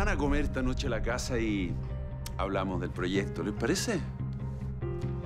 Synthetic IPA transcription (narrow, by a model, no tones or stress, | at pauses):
anakomeɾt̪anot͡ʃelakasai | a̰βlamozðelpɾoʝek̚t̪olespaɾese